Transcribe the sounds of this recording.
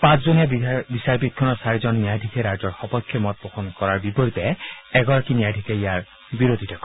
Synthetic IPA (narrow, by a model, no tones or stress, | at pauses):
pãszonebisaɹpit̪̚kʰɔnɔɹsaɹizɔnːijajɖʱikʰeɾad͡ʒɔɹxɔpɔkʰjɔmɔt̪̚bɔxɔnkɔɹaɹbipɔɾit̪ɛɛɡɔɹakinjajɖʱikʰejaɹ | biɾod̪ʱitʰɔkɔ